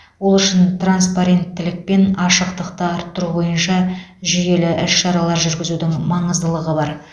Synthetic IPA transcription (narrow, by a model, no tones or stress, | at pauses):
wo̞lˠʏʃɪnt̪ranspaɾe̞nt̪ʰːɪlɪk̚pe̞nɑʃəqt̪əqt̪əɑɾt̪ːʊɾubo̞jənʃɑʒije̞lɪʔɪʃʃɑɾɑlˠɑɾʒʏɾɡʲɪzud̪ɪŋmɑɴəzd̪əlˠəʁəbɑɾ